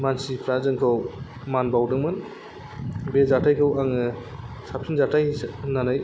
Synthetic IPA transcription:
mansipʰɾazɯŋkʰɯw | manbawdɯŋmɯn | bezatʰajkʰɯwaŋɯ | sapʰinzatʰajhsnanaj

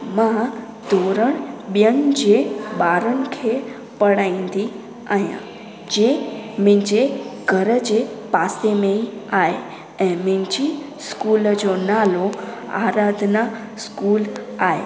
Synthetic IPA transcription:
mã | d̪ʱoɾəɳɓjənd͡ʒeɓaːɾəɳkʰe | pəɽaĩnd̪i | aɦjã̰ | d͡ʒemɪ̃d͡ʒeɡʱəɾəd͡ʒepasemẽiae | ɛ̃mɪ̃nd͡ʒi | skuld͡ʒonaloa̰ɾad̪ʱna | skulaːḛ

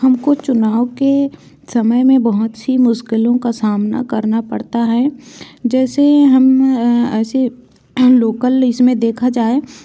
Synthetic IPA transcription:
hɐmkot͡ʃʊnaːwke | sɐməjmẽbɐɦʊt̪simʊʃkɪlõkasaːmna̰kɐɾnapɐ̰ɽt̪aɦɛd͡ʒɛːseɦɐmɛːse | loːkəlɪsmẽd̪eːkʰad͡ʒaːe

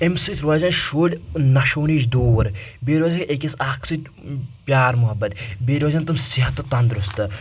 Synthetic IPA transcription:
emsɨt̪ʰʲɾʋɐzɐnʃoːlʲnɐʃoːniːt͡ʃd̪oːʋɐɾbeːɾʋɐːzɐkekʲɐsaːkʰsɨt̪ʲ | pʲjaːɾmʊɦɐbːɐt̪beːɾoːzɐnt̪ɐmsiɦɐt̪ːɨt̪ɐnd̪ɾust̪ɨ

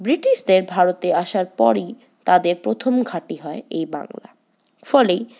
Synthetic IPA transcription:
bɾiʈiʃd̪eɾbʱaɾot̪eaʃaɾpɔɾij | t̪ad̪eɾpɾot̪ʰomɡʱaʈiɦɔeejba̰ŋla̰ | fɔlej

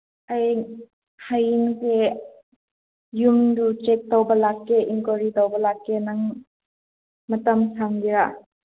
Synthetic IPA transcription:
ʔaj | hajinke | jumdut͡ʃek̚tɔwbɐlakːeʔiŋkoɾidɔwbɐlakːenaŋ | mɐtɐmsamdiɾa

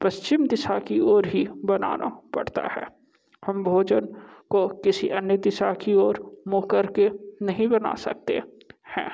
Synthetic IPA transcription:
pɐst͡ʃɪmd̪ɪsakioːɾɦibɐna̰ːna̰pɐ̰ɽt̪a̰hɛ̰ː | hɐ̃mbʱoːd͡ʒənkokɪsiʔɐnjəd̪ɪsakioːɾmoːkəɾkenɐɦĩbɐna̰sɐ̰k̚t̪ḛ | hɛ̰̃ː

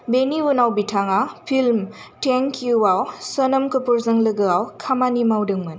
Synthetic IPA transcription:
beniwunawbiʈʰaŋapʰilmʈeŋkjuawsənəmkəpuɾzɐŋləɡɯawkʰamanimawdɯŋmɯn

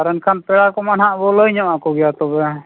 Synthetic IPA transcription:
aɾənkʰanpɛɽakɔmanɦaʔbɔləjɲɔʔakɔɡɛjat̪ɔbɛ

